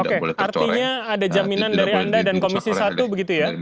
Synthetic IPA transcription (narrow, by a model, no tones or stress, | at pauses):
okeʔart̪iɲaːdad͡ʒaminandaɾiandadankomisisat̪ubəɡit̪uja